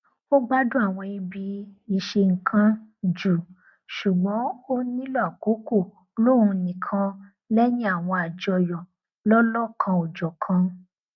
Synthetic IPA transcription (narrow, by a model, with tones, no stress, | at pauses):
o˦ɡ͡ba˦dũ˦a˦˨w̃ɔ̃˧i˧bi˧i˨ʃe˧ŋ̩˨kʰã˧d͡ʒu˨ | ʃu˨ɡ͡bɔ̃˨˦o˦nĩ˦lɔ˦a˨ko˨˦ko˦˨ | lo˦ɾũ˧nĩ˨kʰã˧ | lɛ˦nĩ˦a˦˨w̃ɔ̃˧a˨d͡ʒɔ˧jɔ˨ | lɔ˦lɔ˦˨kʰã˧ɔ˨d͡ʒɔ˨kʰã˧